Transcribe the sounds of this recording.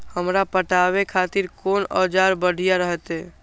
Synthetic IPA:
həmɾapəʈaβekʰat̪iɾkonɔ̰d͡ʒaɾbəɽ̤ʱijaɾəɦɛt̪e

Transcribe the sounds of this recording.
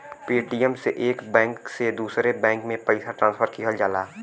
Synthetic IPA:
piːʈiɛmseʔeːkbɛ̃ːŋksed̪uːsɾebɛ̃ːŋkmẽpəɪsaʈɾãːnspʰəɾkiɦad͡ʒaːlaː

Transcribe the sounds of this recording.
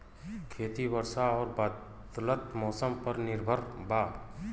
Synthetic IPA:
kʰeːt̪ibəɾsaɔːɾba | d̪lət̪mɔːsəmpəɾnɪɾbʱəɾbaː

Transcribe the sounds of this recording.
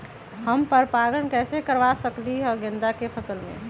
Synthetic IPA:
həmpəɾpaɡəɳkɛsekəɾbasəkliəɡẽnd̪akepʰəsəlmḛ

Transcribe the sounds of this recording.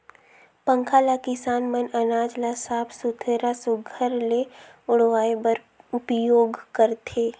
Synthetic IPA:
pə̃ŋkʰaːlakɪsaːnmənɐnaːd͡ʒlasaːbʰsʊt̪ʰeɾasʊɡʱəɾle | ʊɽʋaːebəɾ | ʊpjoːɡkəɾt̪ʰeː

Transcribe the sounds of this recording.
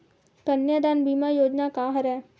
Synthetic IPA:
kənjad̪aːnbiːmajoːd͡ʒnakaɦəɾɛː

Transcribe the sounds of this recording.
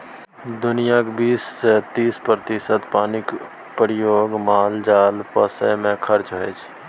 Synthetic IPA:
d̪ʊnijakbiːset̪iːspɾət̪ɪsət̪paːnɪk | pɾɪjoːɡmaːld͡ʒaːlpəsə̰mẽkʰəɾt͡ʃɦoet͡ʃʰ

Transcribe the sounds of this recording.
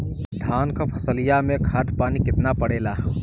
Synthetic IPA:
ɖʱaːnkapʰəsəlijamẽkʰat̪paːnikɪt̪napəɽelaɦ

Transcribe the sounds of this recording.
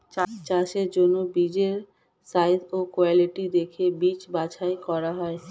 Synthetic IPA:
t͡ɕat͡ɕaʃeɾd͡ʑonːobid͡ʑeɾ | sajd̪okoaliʈid̪ekʰebit͡ɕbat͡ɕʰaekɔɾaɦɔe

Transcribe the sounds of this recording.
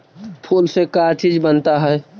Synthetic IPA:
pʰolsẽkat͡ʃid͡ʒbənt̪aɦɛɛ

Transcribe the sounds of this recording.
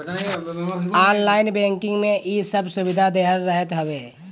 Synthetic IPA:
aːnlaːɪnbɛ̃ːŋkɪ̃ŋɡmẽʔisəbsʊwɪd̪ʱad̪eɦəɾːəɦət̪ɦəʋeː

